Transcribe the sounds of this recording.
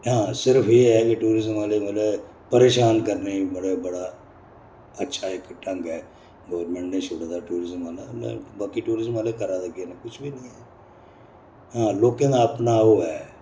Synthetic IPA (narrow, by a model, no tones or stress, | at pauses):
ɦãːsɪɾəpʰeːɦɛːkɪʈuːɾɪzəmaːleːʋaːleː | pəɾeːʃaːnkəɾneːibəɽeːbəɽaː | ətːʃʰaːɪkʈə̃ŋɡɛː | ɡəʋɾmẽːɳʈnẽːt͡ʃʰʊɽad̪aːʈuːɾɪzəmaːlal̰baːkiːʈuːɾɪzəmaːleːkəɾaːd̪əɡeːneːkʊt͡ʃʰbiːnə̃ːɛː | ɦãːloːkẽːd̪aːəpnaːoːɦɛː